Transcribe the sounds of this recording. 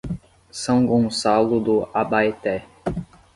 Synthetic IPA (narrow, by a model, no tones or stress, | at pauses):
sɐ̃w̃ɡõsalʊd̪ʊabajt̪ɛ